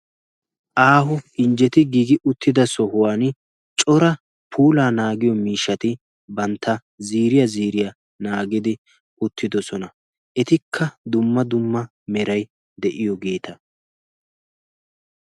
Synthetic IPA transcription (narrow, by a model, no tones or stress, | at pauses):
ʔaːɦʊɪnd͡ʒɛt̪ɪɡiːɡɪʔʊt̪ːɪd̪ɐsɔɦʊwaːn | t͡ʃʼɔɾɐ | pʰuːlaːnaːɡɪjɔmiːʃːɐt̪ɪ | bɐnt̪ːɐ | ziːɾɪjɐziːɾɪja | naːɡɪd̪ɪ | ʔʊt̪ːɪd̪ɔsɔnɐ | ʔɛt̪ɪkʰːɐd̪ʊmːɐd̪ʊmːɐ | mɛɾɐj | d̪ɛʔɪjɔɡe̞ːt̪ɐ